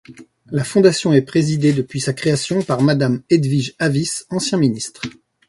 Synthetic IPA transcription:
lafɔ̃d̪asjɔ̃ɛpχezid̪ed̪əpɥisakχeasjɔ̃paʁmad̪amed̪viʒavisɑ̃sjɛ̃minist̪χ

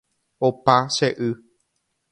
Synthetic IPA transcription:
opaʃeʔɨ

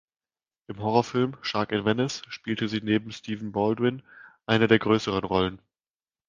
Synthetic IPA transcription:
ʔɪmɦɔʁɔfɪlmʃaɐkɪnvɛnɛsʃpiːltəziːneːb̚m̩stiːvn̩bɔldwɪnʔaɪnədeːɐɡʁøːsəʁ̞ənʁɔlən

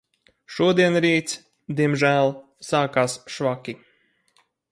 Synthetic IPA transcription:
ʃuɔd̪iɛnɾiːt̪s | d̪iɛmʒæːlˠ | saːkaːsʃvakʲi

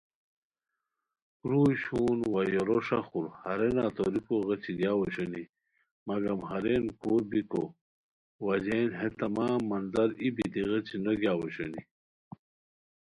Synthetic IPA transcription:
kɾuːɕuːnwajoɾoʂɐxuɾhɐɾenaːt̪oɾikoɣɐt͡ɕiɡjaːwɐɕoni | mɐɡɐmɦɐɾenkʰuːɾbiko̰ | wɐd͡ʑenɦet̪ɐmaːmːɐnd̪ɐɾibid̪iɣɐt͡ɕinɐɡjaːwɐɕo̰ni

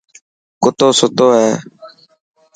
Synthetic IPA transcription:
kʊt̪oːsʊt̪oːɦeː

